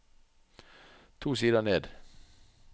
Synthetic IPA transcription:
t̪ʰuːsiːd̪əneːd̪

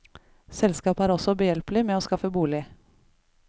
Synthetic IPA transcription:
sɛlskɑːpæːɾɔsɔbəjɛlplɪmeːoːskɑfəbuːlɪ

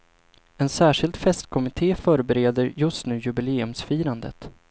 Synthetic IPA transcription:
ɛnsæːʂɪlt̪fɛst̪kʰɔmɪt̪ʰeːfœːɾbɛɾeːd̪əɾjɵst̪nʉ̟ːjɵbɪleːɵmsfiːɾand̪ə̰t̪

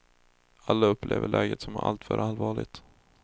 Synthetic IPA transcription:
alːaɵpːlʔḛːvəɭʔɛːɡət̪sɔmæʔalt̪fœɾʔalvɑːɭɪɡt̪

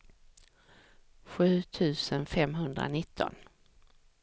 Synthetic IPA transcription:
ɧʉ̟ːt̪ʰʉ̟ːsənfɛmɦɵnd̪ɾa̰nɪt̪ʰːɔ̰n

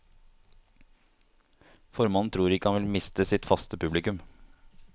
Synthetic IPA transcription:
fɔɾmɑnnt̪ʰɾuːɾɪkːəhɑnʋɪlmɪst̪əsɪt̪fɑst̪əpʰʉblɪkʉm

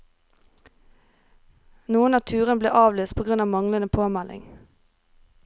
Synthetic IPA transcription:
nuːənɑːt̪ʰʉːʁənblḛːʔɑːʋlyːst̪̚pʰoːɡʁʉnɑːʋmɑŋlənəpʰoːmælʔɪ̰ŋ

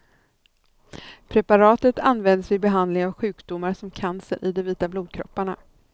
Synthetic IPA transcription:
pʰɾɛpaɾɑːt̪ət̪anvɛnd̪əsɛjbɛɦand̪lɪŋavɧʉ̟ːkd̪ʊmːaɾsɔmkʰansə̰ɾʔɪ̰d̪ɔviːt̪abluːd̪̚kʰɾɔ̰pːaɳa

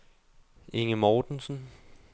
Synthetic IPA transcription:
eŋəmɒːd̥n̩sn̩

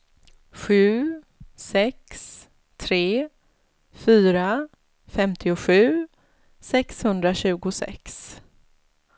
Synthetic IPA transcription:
ɧʉ̟ː | sɛks | t̪ʰɾeː | fyːɾa | fɛmt̪ʰɪʊɧʉ̟ː | sɛkshɵnd̪ɾaɕʉ̟ːɡʊsɛ̰ks

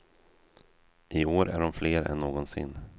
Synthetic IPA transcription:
ʔɪoːɾæ̰ɖɔmfleːɾɛ̰nːoːɡɔnsɪ̰nː

